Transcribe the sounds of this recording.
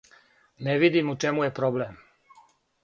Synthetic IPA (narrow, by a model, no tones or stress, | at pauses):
neʋid̪imut͡ʃemujepɾoblem